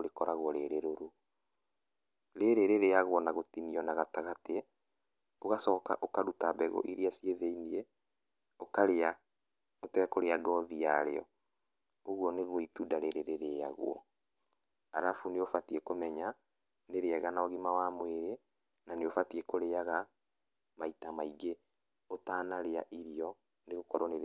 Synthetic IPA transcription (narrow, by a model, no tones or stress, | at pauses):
oɾekɔɾaɣwɔɾeɾeɾoɾo | ɾeɾeɾeɾejaɣwɔnaɣotiniɔnaɣataɣate | oɣasɔːka̰ʔokaɾutabɛɣo̰ʔiɾeasieðeinie | okaɾea | otɛkoɾeaɡɔðijaɾḛɔ̰ | oɣwɔneɣoitudaɾeɾeɾeɾea̰ɣw̰ɔ̰ | aɾafuneofatiekomɛɲa | neɾeaɣanaɔɣimawamweɾe | naneofatiekoɾeaɣa | maitamaiɡe | otaːnaɾea̰ʔiɾijɔ | neɣokɔɾɔne